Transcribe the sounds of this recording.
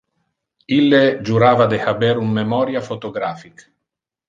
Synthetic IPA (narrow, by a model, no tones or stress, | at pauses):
ilːed͡ʒuɾaːvad̪ehabɛɾumːemɔɾjafot̪oɡɾaːfik